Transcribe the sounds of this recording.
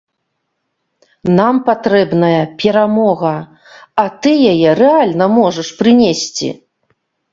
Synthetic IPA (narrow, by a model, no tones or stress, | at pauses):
nampat̪ɾɛbnɐjɐpʲɛɾamɔɣɐ | ɐt̪ɨjajɛɾɛalʲnɐmɔʐɐʂpɾɨnʲesʲt͡sʲḭ